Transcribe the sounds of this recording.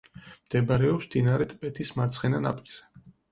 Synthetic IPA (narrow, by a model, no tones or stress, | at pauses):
md̪̥ɛbaɾɛɔpsd̪inaɾɛt̪ʼpʼɛt̪ʰismaɾt̪sʰχɛnana̰pʼiz̥ɛ